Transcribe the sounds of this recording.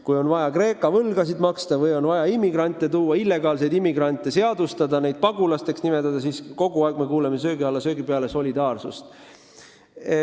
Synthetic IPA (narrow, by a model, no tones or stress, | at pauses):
kujo̞nvɑjɑkre̞ːkːˑɑvɤlɡ̥ɑsid̪mɑkst̪ɑvɯjo̞nvɑjɑimːiɡrɑnʲt̪ːˑe̞t̪uːwːɑilːe̞ɡ̥ɑːls̬e̞jd̪imːiɡ̥rɑnʲt̪ːˑese̞ɑd̪ust̪ɑd̪ɑnejd̪̥̚pɑɡ̥ulɑst̪e̞ksnime̞t̪ːˑɑd̪̥ɑsisko̞ɡ̥uɑeɡ̥me̞kuːleme̞s̬ø̞ːɡiɑlːɑsø̞ːɡipeɑle̞so̞lʲid̪̥ɑːrsṵst̪